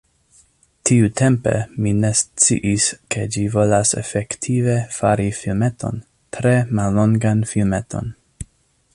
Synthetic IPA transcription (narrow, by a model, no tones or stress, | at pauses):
tʰiutʰe̞mpe̞̰mine̞st͡sḭʔiskʰe̞d͡ʒivo̞lasḛfektʰive̞faɾifilme̞tʰo̞̰n | tʰɾe̞malːo̞ŋɡanfilme̞tʰo̞̰n